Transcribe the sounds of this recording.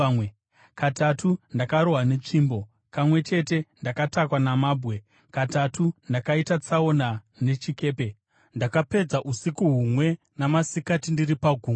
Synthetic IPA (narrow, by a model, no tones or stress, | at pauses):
katatʰundakaɾo̞ɦane̞t͡ʂiːmbo̞ | pamwe̞t͡ʃe̞te̞ndakatakwanamaːbʱɣe̞ | katatundakaitat͡saona | ne̞t͡ʃikeːpe | ndakape̞d͡zaʔusikuɦumwe̞ | namasikatindiripaɡʱuː